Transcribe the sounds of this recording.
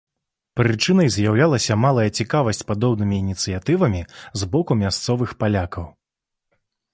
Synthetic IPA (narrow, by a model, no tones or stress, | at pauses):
pɾɨt͡ʂɨnɐjzʲjawlʲalˠɐsʲɐmalˠɐjɐt͡sʲikavɐsʲt͡sʲpad̪ɔbnɨmʲiːnʲit̪sɨjat̪ɨvɐmʲizbɔkumʲast̪sɔvɨxpalʲakɐw